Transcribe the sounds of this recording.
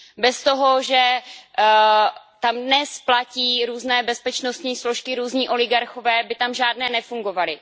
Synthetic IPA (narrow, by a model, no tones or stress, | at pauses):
bɛst̪o̞ɦo̞ʒɛ | t̪amdnɛsplaciːɾuːznɛːbɛspɛt͡ʃnost̪ɲiːslo̞ʃkɪɾuːzɲiːʔo̞lɪɡaɾxo̞vɛːbɪt̪amʒaːdnɛːnɛfuŋɡo̞valɪ